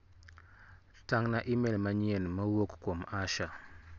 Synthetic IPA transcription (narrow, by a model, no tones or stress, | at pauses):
taŋnaʔimelmaɲenməwokkomaʃa